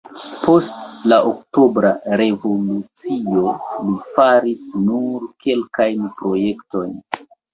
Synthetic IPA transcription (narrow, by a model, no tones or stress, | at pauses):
po̞stlaʔokto̞bɾaɾe̞vo̞lut͡sio̞lifaɾisnuɾke̞lkajnpɾo̞je̞kto̞jn